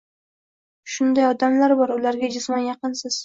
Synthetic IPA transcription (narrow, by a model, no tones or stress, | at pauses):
ʃʊnd̪ajɒd̪amlaɾbɒɾʊlaɾɡʲad͡ʒʊsmɒnjɑqɨnsɪz̥